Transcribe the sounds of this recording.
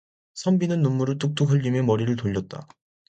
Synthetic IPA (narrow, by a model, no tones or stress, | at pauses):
sʰʌmbinɯnːumːuɾɯɭt͈uk̚t͈ukʰɯʎːimemʌɾiɾɯɭtoʎːʌt̚t͈a̰